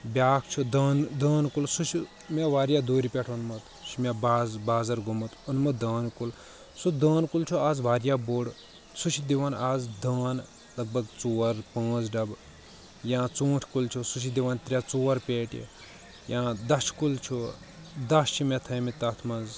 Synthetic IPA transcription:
bʲaːkʰt͡ʃʰud̪ɐːnd̪əːnkulsut͡ʃʰi | meʋaːɾjaːd̪oːɾipʲeʈʰonmɐt̪ | ʃʰimʲebaːzbaːzɐɾɡʱumɐt̪unmɐd̪ɐːnkul | sud̪əːnkult͡ʃʰuaːzʋaːɾjaːboːɽ | sut͡ʃʰid̪iʋanaːzd̪ɐːn | lɐɡ̚bʱɐɡt͡soːɾpãːt͡sɖɐb | jãːt͡sõːʈʰkult͡ʃʰusut͡ʃʰid̪iʋant̪ɾʲat͡soːɾpʲeːʈḭ | jãːd̪ɐʃkult͡ʃʰu | d̪ɐst͡ʃʰimet̪ʰɐjmit̪ɐt̪ʰmɐz

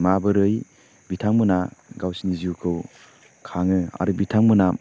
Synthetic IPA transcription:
mabɯɾɯj | bitʰaŋmɯnaɡawsiniziukʰɯw | kʰaŋɯa̰ɾubitʰaŋmuna

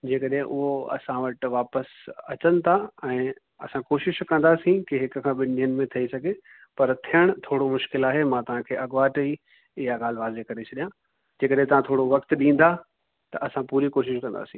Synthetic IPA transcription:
d͡ʑeːkɐɗɦẽʔʊɦoɐ̰sãʋɐʈʋaːpəsɐt͡ɕənɪ̆t̪ʰaɛ̃ː | ɐsãkoːʃɪʃkɐ̃nd̪aːsĩkiɦɪk̆kʰãːɓɪniənɪ̆mẽt̪ʰɐisɐɡʱe | pɐɾt̪ʰijəɽ̃t̪ʰoːɽomʊʃkɪlaːɦemãt̪ɐʋ̤ãkʰeːʔɐɠʋaːʈɐi | ɪɦaɠaːlʋaːzekɐɾet͡ɕʰɐɗijã | d͡ʑeːkɐɗɦẽt̪ɐʋãt̪ʰoːɽoʋɐkt̪ɗĩːn̆d̪a | t̪ɐʔɐsãpuːɾikoːʃɪʃkɐ̃nd̪a̰ːsĩː

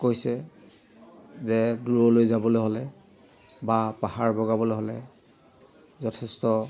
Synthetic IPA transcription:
kojsɛ | zɛduɹɔlojzabɔlojɦɔlɛ | bapahaɹbɔɡabɔloɦɔlɛ̰ | zɔtʰɛstɔ

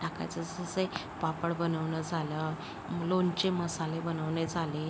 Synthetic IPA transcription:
ʈaka̰t͡səsəsəj | papəɽbənəʋɳəd͡zʱalə | məlont͡ɕeməsalebənəʋɳed͡zʱale

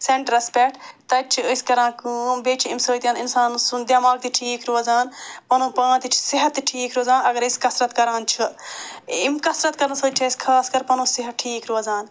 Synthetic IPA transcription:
seɳʈɾɐspeʈt̪ɐt͡ʃʰiəskɐɾãːkuːbeːt͡ʃʰiimsəːt̪jaːnɪnsaːnsund̪jaːmaːɡ̚t̪iʈʰiːkɾozaːnpɐnõːpãːt̪it͡ʃʰsɪɦɐt̪ːʈʰiːkɾoːzãːnɐɡɐɾiskɐsɾɐt̪kɐɾãːnt͡ʃʰɨ | imkɐsɾɐt̪kɐɾɐnsɐːt͡ʃʰɐskʰaːskɐɾpɐnõːsɪɦɐt̪ʈʰiːkɾoɐzaːn

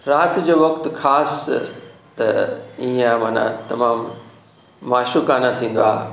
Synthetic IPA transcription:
ɾaːt̪d͡ʑoːʋɐkt̪xaːs | t̪ɐ̰iẽaːmaːnã̰t̪ɐmaːmː | aːʃukaːnat̪ʰĩːn̆d̪oa̰ːɦ

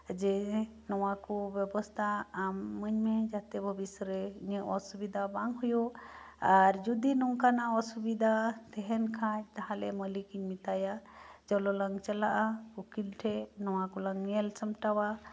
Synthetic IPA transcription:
d͡ʒɛnɔwakɔbɛbɔst̪ʰaːmːəɲmɛd͡ʒat̪ɛbʱəbisɔɾɛɲəʔɔsubid̪ʱabaŋɦujuaɾd͡ʒud̪inɔŋkanaɔsubid̪ʱat̪ɛɦɛnkʰaɲt̪aɦãlɛ̰məlikiɲmit̪ajad͡ʒɔlɔlaŋt͡ʃalaʔaukilʈʰɛnɔwakɔlaŋmɛlsəmʈawa

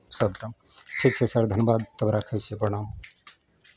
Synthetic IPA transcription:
səb̚ʈəm | ʈʰik̚t͡ʃʰesəɾd̪ʱənbad̪t̪əbɾakʰəjsepəɽ̃aũ

